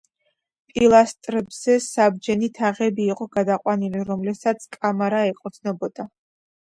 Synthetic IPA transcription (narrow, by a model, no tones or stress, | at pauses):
pʼilˠast̪ʼɾɛbz̥ɛsabd͡ʒɛnit̪ʰaʁɛbiːqʼɔɡad̪aqʼwaniliɾɔmlɛsat̪sʰkʼamaɾaɛqʼɔt̪snɔbɔd̪̥a